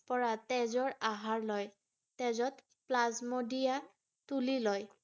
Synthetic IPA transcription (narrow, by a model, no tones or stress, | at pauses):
pɔɹatɛzɔɹaɦaɹlɔj | tɛzɔt | plazmodija | tulilɔj